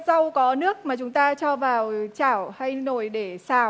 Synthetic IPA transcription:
sa˧wkɔ˨˦nɨ˦˥ək̚maː˨˩t͡ɕʊ˨˦ŋ͡mt̪aː˧t͡ɕɔ˧vaː˨˩wt͡ɕaː˧˩wha˧jno˧˩jɗe˧˩saː˧˩w

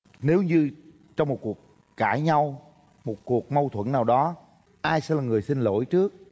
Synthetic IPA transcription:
ne˨˦wɲɨ˧ | t͡ɕɔ˧wŋ͡mmo˨˩t̚ku˨˩ək̚ː | aː˧˩jɲa˧w | mo˨˩t̚ku˨˩ək̚mə˧wt̪ʰwə̰˧˥˨nnaː˨˩wɗɔ˨˦ | ʔaː˧jsɛ̰˧˥laː˨˩ŋɨ˨˩əjsi˧n̟lo̰˧˥˨jt͡ɕɨ˦˥ək̚

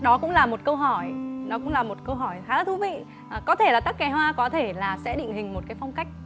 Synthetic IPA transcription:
ɗɔ˨˦kʊ̰˧˥ŋ͡mlaː˨˩mo˨˩t̚kə˧wɦɔ˧˩jnɔ˨˦kʊ̰˧˥ŋ͡mlaː˨˩mo˨˩t̚kə˧wɦɔ˧˩jxaː˨˦laː˨˩t̪ʰu˧vḭ˧˨ | kɔ˨˦t̪ʰe˧˩laː˨˩t̪ə˦˥k̚ːɛ˨˩˦ɦwaː˧kɔ˨˦t̪ʰe˧˩laː˨˩sɛ̰˧˥ɗḭ˧˨ŋ̟hï˨˩ŋ̟mo˨˩kaː˨˦jfa˧wŋ͡mka˦˥jk̟̚

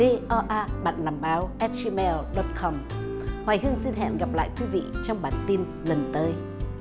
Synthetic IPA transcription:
e˧ʔɔ˧ʔaː˧ɓa̰ː˧˨nlaː˨˩mɓaː˨˦wʔɛ˦˥t̚t͡ɕi˧˦mɛ˧lɗɔ˦˥t̚kʰɔ˧m | hwaː˨˩jhɨ˧əŋsi˧nɦɛ̰˧˨nɣa˨˩p̚la̰ː˧˨jkwi˨˦vḭ˧˨t͡ɕɔ˧wŋ͡mɓaː˨˩nt̪i˧n | lə˨˩nt̪əː˨˦j

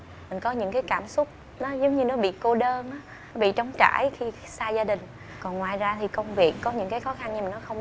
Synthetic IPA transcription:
mï˨˩ŋ̟kɔ˨˦ɲɨ̰˧˥ŋkaː˨˦jkaː˧˩msʊ˦˥k͡p̚ | nɔ˨˦zə˨˦wŋ͡mɲɨ˧nɔ˨˦ɓḭ˧˨ko˧ɗəː˧nʔaː˨˦ | ɔ˨˦ɓḭ˧˨t͡ɕɔ˨˦wŋ͡mt͡ɕa̰ː˧˩˨jxi˧ | saː˧zaː˧ɗï˨˩ŋ̟ | kɔ˨˩nŋwaː˨˩jzaː˧t̪ʰi˨˩kə˧wŋ͡mvi˨˩ək̚ːɔ˨˦ɲɨ̰˧˥ŋkaː˨˦jxɔ˨˦xa˧nɲ˧mï˨˩ŋ̟nɔ˨˦xə˧wŋ͡m

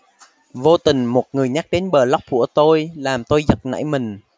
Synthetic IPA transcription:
vo˧t̪ï˨˩ŋ̟mo˨˩t̚ŋɨ˨˩əjɲa˦˥k̚ɗe˨˦nɓəː˨˩la˦˥wk͡p̚ku˧˩ət̪o˧jlaː˨˩mt̪o˧jzə˨˩t̚na̰ː˧˥jmï˨˩ŋ̟

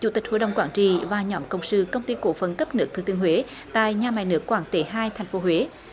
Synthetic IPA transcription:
t͡ɕṵ˧˩t̪ï˨˩ho̰˧˨jɗə̰˨wŋ͡mkwaː˧˩ŋt͡ɕḭ˧˨vaː˨˩ɲɔ˨˦mkə˧wŋ͡msɨ˧kə˧wŋ͡mt̪i˧ko̰˧˥fə˨˩nkə˦˥p̚nɨ˦˥ək̪̚ʰɨː˧˩t̪ɨ˧˨əŋɦwe˨˦ | t̪a̰ː˧˨jɲaː˨˩ma˨˩jnɨ˦˥əkːwaː˧˩ŋt̪e˨˦ɦaː˧jt̪ʰa˨˩jŋ̟fo˨˦ɦwe˨˦

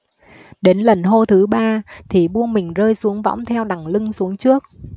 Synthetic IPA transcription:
ɗe˨˦nlə˨˩nɦo˧t̪ʰɨ˨˦ɓaː˧t̪ʰi˨˩ɓu˧ənmï˨˩ŋ̟zəː˧jsu˨˦əŋvɔ̰˧˥wŋ͡mt̪ʰɛ˧wɗa˨˩ŋlɨ˧ŋsu˨˦əŋt͡ɕɨ˦˥ək̚

